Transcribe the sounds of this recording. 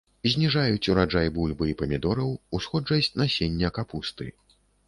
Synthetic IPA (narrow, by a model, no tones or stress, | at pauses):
zʲnʲiʐajut͡sʲuɾad͡ʐajbulʲbɨipɐmʲid̪ɔɾɐwusxɔd͡ʐɐsʲt͡sʲnasʲenʲːɐkapust̪ɨ̰